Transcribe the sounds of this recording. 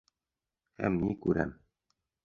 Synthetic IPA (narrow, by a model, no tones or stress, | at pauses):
hæ̰mnikʉɾæ̰m